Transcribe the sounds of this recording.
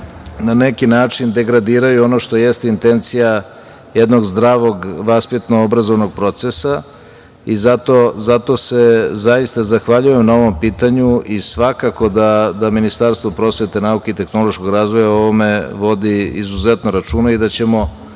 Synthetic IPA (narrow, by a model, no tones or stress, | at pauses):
nanekinaːt͡ʂind̪e̞ɡɾad̪iːɾajuono̞ʃt̪o̞jest̪int̪e̞nt̪sija | jed̪no̞ɡzd̪ɾaːʋo̞ɡʋaspit̪noobɾazo̞ʋno̞ɡ̚pɾo̞t̪sesa | izat̪o̞zat̪o̞se̞zajist̪azaxʋaʎuje̞mnao̞ʋo̞mpiːt̪aɲuisʋakako̞d̪ad̪aminist̪aɾst̪vopɾo̞sʋe̞t̪e̞naukeit̪e̞xno̞lˠoʃko̞ɡɾaːzʋo̞jao̞ʋome̞ʋo̞d̪iḭzuzet̪noɾat͡ʂuːnaid̪at͡ɕemo̞